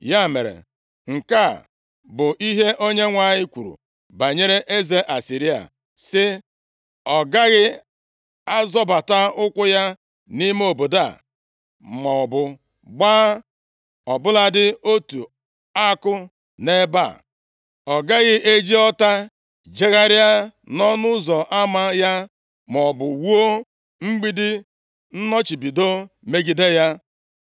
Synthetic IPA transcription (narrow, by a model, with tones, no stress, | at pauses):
ja˦˨mḛ˨ɾḛ˨ | ŋ̩˨ka˦˨ | bʊ˨ʔi˦ɦe˦ʔo˦ɲe˦ŋʷa˦˨ɲɪ˦kʷu˨ɾṵ˨ | ba˨ɲe˦ɾe˦ʔe˦ze˦ʔa˨si˨ɾi˦a̰˨ | sɪ˦ | ɔ˨ɡa˦ɣɪ˦ | a˦zɔ˦ba˨ta˦ʊ˦kʷʊ˦ja˦ | ni˦m˦o˨bo˨da˦˨ | mɔ˨ɔ˨bʊ˦ | ɡ͡baː˦ | ɔ˨bʊ˦la˦dɪ˦o˦tu˨ | a˦kʊ˦ | ne˦ba̰˦˨ | ɔ˨ɡa˦ɣɪ˦ʔe˦d͡ʒi˦ɔ˦ta˦ | d͡ʒe˦ɣa˦ɾɪ˦a˦ | nɔ˦nʊ˦zɔ˨ʔa˦ma˦ja˦ | mɔ˨bʊ˨wu˦o˦ | ŋ͡m̩˦ɡ͡bi˦dɪ˦ | n̩˦nɔ˦t͡ʃi˨bi˨do˦me˦ɡi˨de˦ja˦